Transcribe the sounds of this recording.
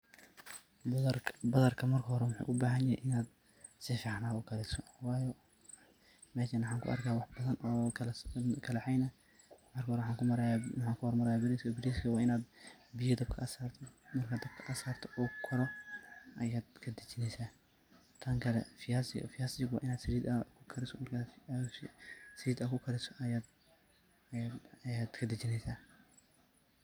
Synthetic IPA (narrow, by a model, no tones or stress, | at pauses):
bɐðɐrkʰɐmɐrkʰɐhɔɾɛwʊħṵːʔʊbaːɦɐnjɐhɛ̰jʔɪnaːd̪ | sɪfɑːʕnaːʊɡɐlɛsɔwɑːjɔ | mɛːʃɐnħaːŋkʰʊ̰ʔɐ̰rkʰaːwɑħbɐðɐnɔːkʰlkʰɐlɐħɛjnɐ | mɐrkʰɐhɔɾɛwħɑːŋkʊɐɾjawɑħɑːŋkʰʊhɔrmɐɾɐjaːbɪɾiskʰɔbɪɾiːskʰɐwɑːɪnaːd̪bɪjɐd̪ɐb̚kʰɐʔɐsaːrt̪ʰɔmɐrkʰɐd̪ɐb̚kʰɐʔɐsaːrt̪ʰɔ̥ʔɔːkʰɔɾɔʔɐjaːd̪kʰɐd̪ɐt͡ʃɪnɛjsaː | t̪ʰɐŋkʰɐlɛ̰fɪasɪ̰fɪjaːsɪɡwɑ̰ʔɪnaːd̪sɾiːd̪ɐkʰʊkʰɐɾɪsɔmɐrkʰa | sɪiːd̪ɐkʰʊkʰɐɾɪsɔ̥ɐjaːd̪ | jaːd̪kʰɐd̪ɐt͡ʃɪnɛjsaː